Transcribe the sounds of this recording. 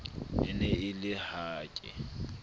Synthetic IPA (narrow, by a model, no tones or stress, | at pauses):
ɪ̰nɛɪlɪhaːkʼɪ̰